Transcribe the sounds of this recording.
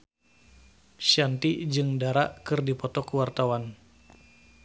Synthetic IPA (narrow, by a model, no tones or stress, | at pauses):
ʃiant̪id͡ʒɨŋdaɾaʔkɨrdipɔt̪ɔkuwart̪awan